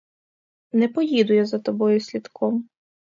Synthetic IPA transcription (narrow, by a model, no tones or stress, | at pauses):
nɛpɔjid̪ʊjazɐt̪ɔbɔjʊsʲlʲid̪kʰɔm